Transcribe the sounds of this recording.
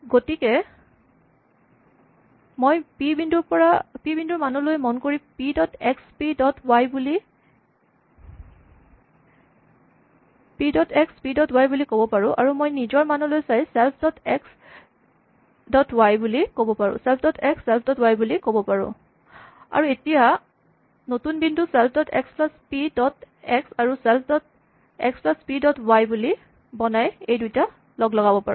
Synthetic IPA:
ɡotikɛ | mojpibindupɔɹapibinduɹmanulojmɔnkoɹipidɔtɛkspidɔtʰwajbuli | pidɔtʰɛkspidɔtwajbulikobɔpaɹʊ̃ʔa̰ɹumojnizɔɹmanɔlojsajsɛlpʰdɔtɛks | dɔtwajbulikobɔpaɹʊ̰̃sɛlpʰdɔtʰɛksːɛlpʰdɔtwajbulikobɔpaɹʊ̰̃ | a̰ɹuetija | notunbindusɛlpʰdɔtʰɛ̰ksplaspidɔt | ɛksaɹusɛlpʰdɔt̚ | ɛ̰ksplaspidɔtwajbuli | bɔnajejdujta | lɔɡlɔɡabɔpaɹʊ̰̃

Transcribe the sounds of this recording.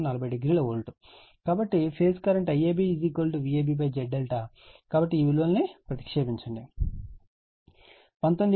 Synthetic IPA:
nɐlɐbɐjɖiɡɾiːlɐoːlʈu | kaːbɐʈːipʰeːskɐɾɐɳʈɐjeːbiiziːkolʈuʋieːbip̬ɐjd͡ʒɛɖːelʈakaːbɐʈːiːʋiluʋɐlnipɾɐt̪i̥kʂeːbiɲt͡ʃɐɳɖi | pɐnt̪onɖi

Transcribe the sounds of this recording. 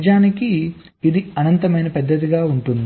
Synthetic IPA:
d͡ʒaːniki | id̪iɐnɐnt̪ɐmɐjnɐpɛd̪ːɐt̪iɡaːuɳʈund̪i

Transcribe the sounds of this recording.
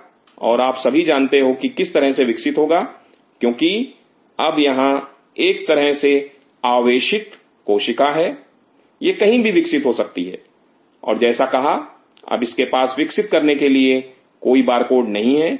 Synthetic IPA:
ɔ̰ːɾaːpsɐbʱid͡ʒaːnt̪eɦokikɪst̪ɐɾəɦseʋɪksɪt̪ɦoːɡaː | kjõːki | ɐbjɐɦã | eːk̚t̪ɐɾəɦse | aːʋeːʃɪk̪ː | oːʃɪkaɦɛː | jekɐɦĩbʱiʋɪksɪt̪ɦosɐk̚t̪iɦɛ̰ː | ɔ̰ːɾd͡ʒɛːsakɐɦa | ɐ̰bɪskepaːsʋɪksɪt̪̚kɐɾnekelie | koːibaːɾkoːɖnɐɦĩɦɛː

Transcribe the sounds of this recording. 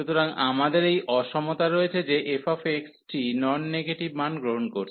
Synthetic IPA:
ut̪oɾaŋamad̪eɾejʔɔʃɔmot̪aɾoet͡ɕʰed͡ʑeʔefafeksʈinɔnːeɡeʈibmanɡɾoɦonkoɾt͡ɕʰ

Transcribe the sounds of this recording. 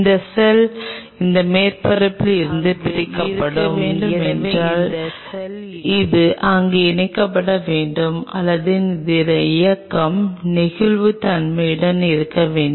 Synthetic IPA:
nd̪ɐsɛl | ɪnd̪ɐmeːɾpɐɾɐpːɪlɪɾɯnd̪ɯpɪɾɪkːɐpːɐɽɯeːɖɯmɛnraːl | ɪðɯʔʔɐŋɡeːɛnɪkːɐpːɐɽɐʋeːɳɖɯmɐ̰lːɐðɯnd̪ɪɾɐɪjɐkːɐmnɪɣɪɭʋɯt̪ɐnmɐɪɽɐnɪɾɯkːɐʋeːɳɖɯ

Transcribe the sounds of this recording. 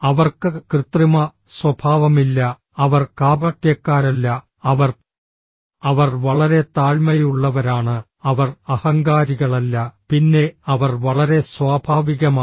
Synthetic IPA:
ɐʋɐrkɨkrɨt̪rimɐ | swɐbʱaːʋɐmilːɐ | ɐʋɐrkaːbɐʈjɐkːaːɾɐlːɐ | ɐʋɐr | ɐʋɐrʋɐɭɐɾe̞t̪aːɻmɐjuɭːɐʋɐɾaːɳɨ | ɐʋɐrɐhɐŋɡaːɾiɣɐɭɐlːɐpinːe̞ɐʋɐrʋɐɭɐɾe̞swaːbʱaːʋiɣɐma

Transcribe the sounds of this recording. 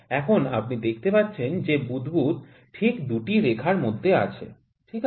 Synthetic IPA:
ɛkʰonapnid̪ek̚ʰt̪epat̪ːɕʰend͡ʑebud̪but̪ | ʈʰikd̪uʈiɾekʰaɾmod̪ʱːea̰t͡ɕʰḛ | ʈʰik

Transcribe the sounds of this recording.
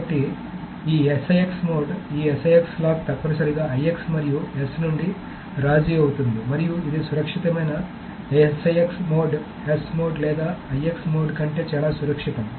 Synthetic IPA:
ɐʈːi | iːesɐjeksmo̞ːɖiːesɐjekslaːk̚t̪ɐpːɐnɐsɐɾiɡaːɐjeksmɐɾijuesnuɳɖi | ɾaːd͡ʒiɐwut̪und̪imɐɾijuid̪isuɾɐkʂit̪ɐmɐjnɐ | esɐjeksmo̞ːɖ | esmoːɖlɛːd̪aːɐjeksmoːɖkɐɳʈe̞ːt͡ʃaːlaːsuɾɐkʂit̪ɐm

